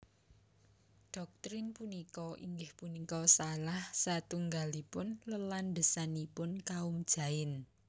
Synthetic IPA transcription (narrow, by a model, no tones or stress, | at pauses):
ɖ̥ɔ̤k̚t̪ɾɪnpunikɔʔḭŋɡɪhpunikɔsalahsat̪uŋɡalipʊnləlanɖəsanipʊnkaʊmd̥ʒ̥ä̤ɪn